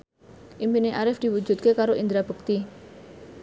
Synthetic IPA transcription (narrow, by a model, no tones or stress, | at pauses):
ʔimpineʔaɾɪfd̪̥iwud͡ʒṳt̪̚kekaɾoʔind̪ɾab̥ṳk̚t̪i